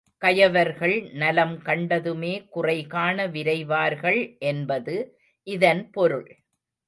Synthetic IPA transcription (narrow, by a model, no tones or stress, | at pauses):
kɐjɐʋɐɾɣɐɭnɐlɐmkɐɳɖɐðɯmeːkʊrɐɪɣaːnɐʋɪɾɐɪʋaːɾɣɐɭʔɛnbɐðɯ | ʔɪðɐnpɔɾɯɭ